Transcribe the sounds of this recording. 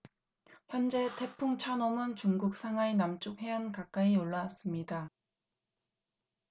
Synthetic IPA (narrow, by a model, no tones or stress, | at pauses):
çjʌnd͡ʑe̞tʰe̞pʰuŋt͡ɕʰanomɯnt͡ɕuŋɡuk̚s͈ʰaŋɦainamt͡ɕ͈uk̚he̞ankak͈̚aioɭːas͈ɯmɲida